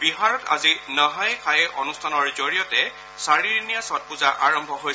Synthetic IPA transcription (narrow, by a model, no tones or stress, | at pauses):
biɦaɹɔta̰zinɔɦajkʰajɛʔonustʰanɔɹzoɹijɔtɛ | saɹiɹinijasɔt̚puzaʔaɹɔmbʱɔɦoj